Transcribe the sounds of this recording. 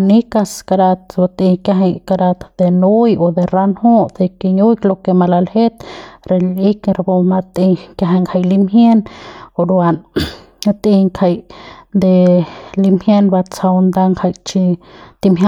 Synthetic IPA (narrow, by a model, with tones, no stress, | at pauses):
ni˦ka˧ska˧ɾa˧t̪̚ba˧t̪i˧ka˧ɦa˧jka˧ɾa˧t̪d̪̥e˧nu˦jo˧d̪e˧ɾa˦nho˦t̪e˧ki˧ɲu˦jklo˧ke˧ma˧la˧lhe˦t̪ɾe˧li˦kɾa˧bo˧ma˧t̪i˧kja˧ɦa˧ŋkʰa˧jli˦mhje˦no˧ɾwa˧n | at̪i˧ŋkʰa˧jd̪e˧li˧mhje˦nba˧t͡sa˧wnd̪a˧ŋkʰa˧jt͡ʃi˧t̪i˧mɦja